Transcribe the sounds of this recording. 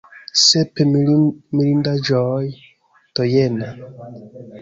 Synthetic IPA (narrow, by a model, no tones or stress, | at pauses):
sepemilindad͡ʒoj | tojena